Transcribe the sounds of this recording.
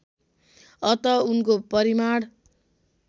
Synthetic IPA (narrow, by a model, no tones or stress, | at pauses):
ʌt̪ʌunkopʌɾimaɽ